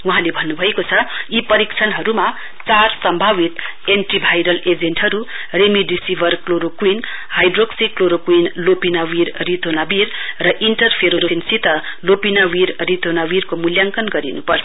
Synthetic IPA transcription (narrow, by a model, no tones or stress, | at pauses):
wuɦãlebʱʌnːubʱʌekot͡sʰʌipʌɾikt͡sʰʌnɦʌɾuma | t͡sarsʌmbʱaβit̪ | enʈribʱajɾʌled͡zenʈɦʌɾu | remiɖisibʱʌrkloɾokwin | hajɖroksikloɾokwinlopinawiɾrit̪ʰonabirrʌʔiɳʈʌrpʰeɾoɾoinsit̪ʌ | lopinawiɾrit̪onawirkomuljaŋkʌnɡʌɾḭnupʌrʰ